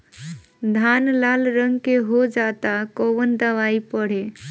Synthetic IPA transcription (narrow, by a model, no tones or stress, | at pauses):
d̪ʱanlalɾəŋɡkeɦod͡ʒat̪akoʋənd̪əʋaipəɽ̤e